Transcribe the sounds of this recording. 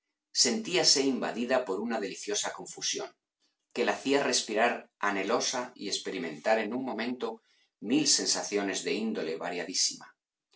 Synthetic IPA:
se̞nt̪iase̞imba̰ð̞iðapo̞ɾunað̞e̞liθjo̞sakõ̞ɱfusjo̞ŋ | ke̞laθiare̞spiɾaɾane̞lo̞saḭe̞spe̞ɾimẽ̞nt̪aɾe̞nũŋmõ̞mẽ̞nt̪o̞ | milse̞nsaθjo̞ne̞zðe̞ind̪o̞le̞βa̰ɾjaðisima

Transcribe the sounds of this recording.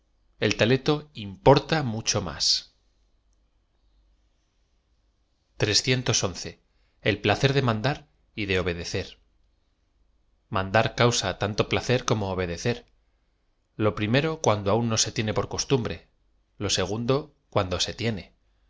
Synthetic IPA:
e̞lt̪ale̞t̪o̞impo̞ɾt̪amut͡ʃo̞ma̰s | t̪ɾe̞sθje̞nt̪o̞so̞nθe̞ | elplaθe̞ɾðemãnd̪aɾ | iðe̞o̞βe̞ð̞e̞θe̞ɾ | mãnd̪aɾkawsat̪ant̪o̞plaθe̞ɾko̞mo̞ːβ̞e̞ðe̞θe̞ɾ | lo̞pɾime̞ɾo̞kwand̪oaunːo̞se̞t̪je̞ne̞po̞ɾko̞st̪umbɾe̞ | lo̞se̞ɣ̞und̪o̞ | kwand̪o̞se̞t̪je̞ne̞

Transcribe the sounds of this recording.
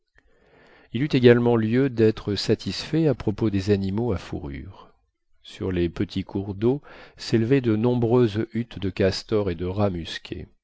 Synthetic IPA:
ilyt̪eɡalmɑ̃ljød̪ɛt̪χəsat̪ʰisfɛapχɔpod̪ezanimoafṵʁy̰ːʁ | sy̰ʁlepət̪ʰikʰuʁd̪oselvɛd̪ənɔ̃bʁøzyt̪d̪əkast̪ɔʁed̪əʁamyskʲʰḛ

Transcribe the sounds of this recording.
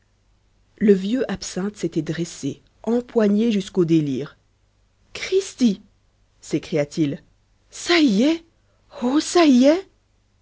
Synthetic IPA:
ləvjøʔapsɛ̃t̪set̪ɛd̪ʁɛse | ɑ̃pwaɲeʒyskod̪eliːʁ | kχist̪i | sekχijat̪il | sajɛ | osajɛ

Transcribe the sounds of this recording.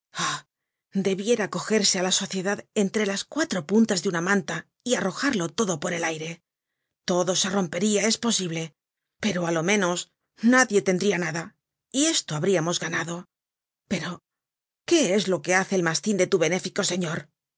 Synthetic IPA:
a | d̪e̞βje̞ɾako̞xe̞ɾse̞alaso̞θje̞ðaðe̞nt̪ɾe̞laskwat̪ɾo̞punt̪azðeunamãnt̪a | iaro̞xaɾlo̞t̪o̞ðo̞po̞ɾe̞lajɾe̞ | t̪o̞ðo̞se̞ro̞mpe̞ɾiae̞spo̞siβle̞ | pe̞ɾo̞alo̞mẽ̞no̞s | naðje̞t̪e̞nd̪ɾianaða | ie̞st̪o̞aβɾiamo̞zɣanaðo̞ | pe̞ɾo̞ | ke̞e̞zlo̞ke̞aθe̞ːlmast̪ind̪et̪uβe̞ne̞fiko̞se̞ɲo̞ɾ

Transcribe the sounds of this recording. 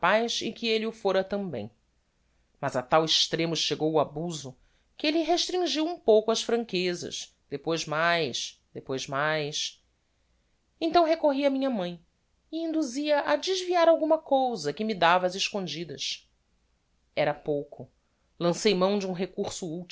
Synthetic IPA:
pajsɪ̰kɪelɪʊfoɾɐt̪ɐ̃mbḛ̃j̃ | mɐzat̪awɪʃt̪ɾẽmʊʃeɡowuabuzʊ | kɪelɪɦeʃt̪ɾĩŋʒiwũpowkʊɐʃfɾɐ̃ŋkezɐ̰ʃ | d̪̥epojzmajʃd̪̥epojzmajs | ẽt̪ɐ̃w̃ɦekoɦiɐmĩɲɐmɐ̃j̃ | ɪĩnd̪uziɐʔɐd͡ʒɪʒviaɾawɡũmɐkowzɐkɪmid̪avɐːzɪʃkõnd͡ʒid̪ɐs | ɛɾɐpowkʊ | lɐ̃sejmɐ̃w̃d͡ʒɪũɦekuɾsʊut͡ʃ

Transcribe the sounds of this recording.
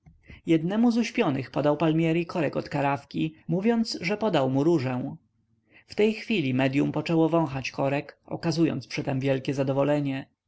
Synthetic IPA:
jɛd̪nɛmuzuɕpʲjɔnɘxpɔd̪awpalmʲjɛɾikɔɾɛkɔt̪kaɾafkʲimuvʲjɔnt̪sʐɛpɔd̪awmuɾuʐɛw̃ | ft̪ɛjxfʲilʲimɛd̪jumpɔt͡ʂɛwɔvɔ̃w̃xat͡ɕkɔɾɛkɔ̰kazujɔ̰nt̪spʂɘt̪ɛmvʲjɛlkʲɛzad̪ɔvɔlɛɲɛ

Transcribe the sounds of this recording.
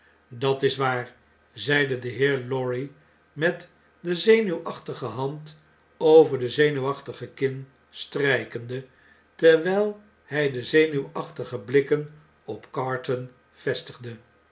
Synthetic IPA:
dɑtɪsʋaːɹ | zɛjdədəɦɪːɹlɔɹi | mɛt | dəzejnywʔɑχtəχəɦɑnt | owvəɹdəzejnywɑχtəχəkɪn | strɛjkəndə | tɛɹʋɛjlˠ | hɛjdəzejnywɑχtəχəblɪkən | ɔpkɑːɹtən | v̥ɛstəχdə

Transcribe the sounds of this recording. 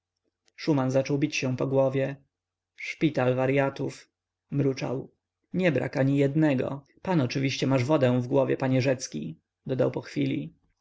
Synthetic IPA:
ʂumanzat͡ʂɔwbʲit͡ɕɕɛ̃pɔɡwɔvʲjɛ | ʂpʲit̪alvaɾjat̪uf | mɾut͡ʂa̰w | ɲɛbɾʔa̰kaɲijɛd̪nɛɡɔ̰ | panɔt͡ʂɘvʲiɕt͡ɕɛmaʐvɔd̪ɛ̃w̃vɡwɔvʲjɛpaɲɛʐɛt̪skʲḭ | d̪ɔd̪awpɔxfʲilʲḭ

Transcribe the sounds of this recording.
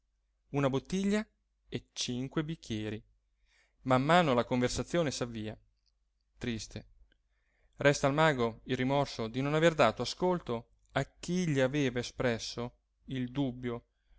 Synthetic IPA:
unabot̪ːiʎːa | et͡ʃiŋkwebikʰːjɛːɾi | mamːaːnolakoɱversat̪sːjoːnesavːiːa | t̪ɾist̪e | rɛst̪almaːɡoilrimɔrsod̪inonaverd̪aːt̪oaskolt̪o | ak̟ːiʎːiaveːvaespɾɛsːo | ild̪ubːjo

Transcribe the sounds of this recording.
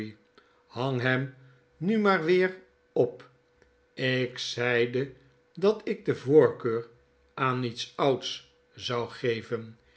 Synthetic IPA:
hɑŋɦɛm | nymaːɹʋɪːr | ɔp | ɪksɛjdə | dɑtɪk̚dəvoːɹkøːr | ʔaːnitsʌwts | zɑwχejvən

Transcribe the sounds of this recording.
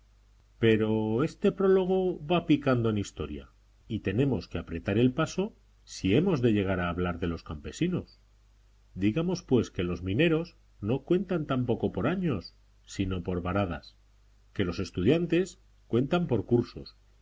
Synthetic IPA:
pe̞ɾo̞e̞st̪e̞pɾo̞lo̞ɣ̞o̞βapikand̪o̞e̞nist̪o̞ɾja̰ | it̪e̞nẽ̞mo̞ske̞apɾe̞t̪aɾe̞lpaso̞ | sie̞mo̞zðe̞ʝe̞ɣ̞aɾaːβlaɾðe̞lo̞skampe̞sino̞s | d̪iɣamo̞spwe̞ske̞lo̞zmĩne̞ɾo̞s | no̞kwe̞nt̪ant̪ampo̞ko̞po̞ɾaɲo̞sː | ino̞po̞ɾβaɾað̞a̰s | ke̞lo̞se̞st̪uð̞jant̪e̞s | kwe̞nt̪ampo̞ɾkuɾso̞̰s

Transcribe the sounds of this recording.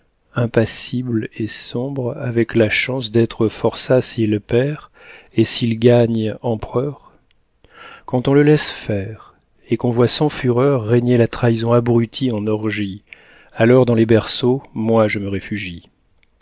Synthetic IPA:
ɛ̃pasiblesɔ̃bʁavɛklaʃɑ̃sd̪ɛt̪χəfɔʁsasilpɛʁ | esilɡaɲɑ̃pχœʁ | kɑ̃t̪ɔ̃ləlɛsfɛʁ | ekɔ̃vwasɑ̃fyʁœʁːeɲelat̪χaizɔ̃abʁyt̪ʰiɑ̃nɔʁʒi | alɔʁd̪ɑ̃lebɛʁsomwaʒəməʁefyʒi

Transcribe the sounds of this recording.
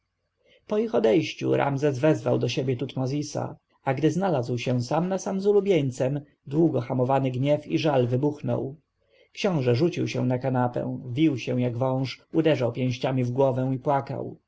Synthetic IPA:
pɔixɔd̪ɛjɕt͡ɕṵɾʔa̰mzɛzvɛzvawd̪ɔɕebʲjɛt̪ut̪mɔzʲisa̰ | aɡd̪ɘznalazwɕɛw̃samnasamzulubʲjeɲt̪sɛm | d̪wuɡɔxamɔvanɘɡɲɛfiʐalvɘbuxnɔ̰w | kɕɔ̃w̃ʐɛʐut͡ɕiwɕɛ̰w̃nakanapɛ̰w̃vʲiwɕɛ̃jaɡvɔ̃w̃ʂud̪ɛʐawpʲjɛ̃w̃ɕt͡ɕamʲivɡwɔvɛ̃w̃ipwaka̰w

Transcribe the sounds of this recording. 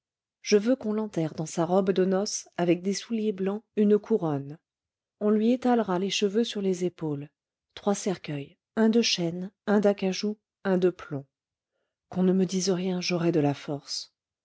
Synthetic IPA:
ʒ̥əvøkɔ̃lɑ̃t̪ɛʁd̪ɑ̃saʁɔbd̪ənɔsavɛk̚d̪esuljeblɑ̃ynkʰuʁɔn | ɔ̃lɥiet̪alʁaleʃəvøsyʁlezepol | t̪χwasɛʁkʲœj | ɛ̃d̪əʃɛnɛ̃d̪akaʒu | ɛ̃d̪əplɔ̃ | kɔ̃nəməd̪izəʁjɛ̃ʒɔʁɛd̪əlafɔʁs

